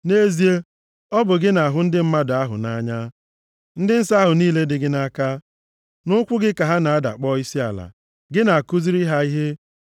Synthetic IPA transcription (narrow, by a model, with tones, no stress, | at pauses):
ne˦zi˦e˦ | ɔ˦bʊ˨ɡɪ˦na˨ɦʊ˦n̩˦dɪ˦m̩˦ma˦da˦ɦʊ̰˨na˦ɲa˦ | n̩˦dɪ˦n̩˦sa˦ɦʊ˨niː˦le˦dɪ˦ɡɪ˦na˦ka˦ | nʊ˦kʷʊ˦ɡɪ˦ka˨ɦa˦na˨a˦da̰˨k͡pɔ˦i˦si˦a̰˨la̰˨ | ɡɪ˦na˨a˨ku˦zi˦ɾi˦ɦa˦i˦ɦe˦